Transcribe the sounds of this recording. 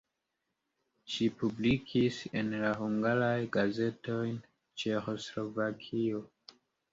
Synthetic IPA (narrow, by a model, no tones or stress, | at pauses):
ʃipublikʰisḛnlaɦuŋɡaɾajɡaze̞to̞jn | t͡ʃe̞xo̞slo̞vakʰio̞